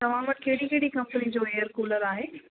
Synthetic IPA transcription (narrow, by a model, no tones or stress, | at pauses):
t̪ɐʋ̤ãʋɐʈ̚keːɽikeɦɽikɐ̃mpnid͡ʑoːeːjəɾkuːləɾaːɦeː